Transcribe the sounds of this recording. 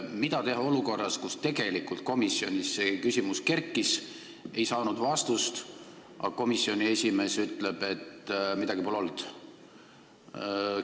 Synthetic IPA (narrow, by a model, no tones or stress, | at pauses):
mid̪ɑt̪e̞ɦɑo̞luko̞rːɑskust̪e̞ɡ̥e̞likult̪̚ko̞misːionʲisːekysʲimuske̞rkːˑis | e̞jsɑːnud̪vɑst̪ust̪ | ʔɑ̰ko̞misːio̞nʲiesʲime̞ːsyt̪ːˑle̞b̥e̞t̪ːmid̪ɑɡ̥ipulo̞ld̪̥